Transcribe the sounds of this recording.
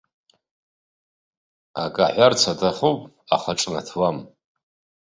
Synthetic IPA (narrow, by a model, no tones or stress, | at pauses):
a̰kʼaħʷart͡sʰadaχopʼ | a̰χaʈ͡ʂʼnatʰwam